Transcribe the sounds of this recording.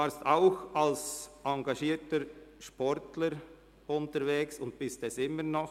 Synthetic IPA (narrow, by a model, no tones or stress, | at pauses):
vaːɾstaʊxɑlsʔɑŋɡɑʃiːɾtəʃpɔɾtləɾ | ʊntəɾveːksʊnt̚b̥ɪstɛsɪmːənɔx